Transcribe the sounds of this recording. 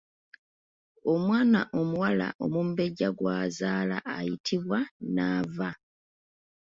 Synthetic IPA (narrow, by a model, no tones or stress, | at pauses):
o̞mwaːna̰ʔo̞muwala̰ʔo̞mumbe̞ɟːaɡwaːzaːla̰ʔːjitʰiβwanaːva